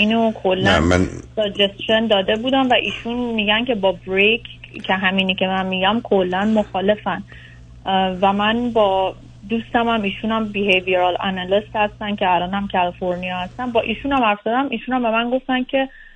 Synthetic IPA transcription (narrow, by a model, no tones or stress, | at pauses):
iːnokʰolːæmæ̰nsɒd͡ʒest̪ʃond̪ɒːd̪e̞buːd̪ænvæʔiːʃunmiːɟæncʰe̞bɒːbɾejkʰcʰeɦæmiːnicʰe̞mænmiɟæmkʰolːænmoxɒːle̞fæn | væmænbɒː | d̪uːst̪æmæmiːʃuːnæmbiheviɾɒlænælest̪hæst̪ænd̪̚cʰeælɒːnhæmcʰælifoɾnijɒhæst̪ænbɒːʔiːʃunæmæɾfzɒd̪æmʔiːʃuːnæmbe̞mænɡo̞ft̪æn̚cʲʰe̞